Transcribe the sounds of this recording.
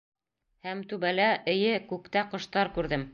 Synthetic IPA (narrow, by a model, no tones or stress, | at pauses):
hæmt̪ʉβælæʔɘ̆jɘkʉkt̪æqŏʃt̪ɑɾkʉɾðɘm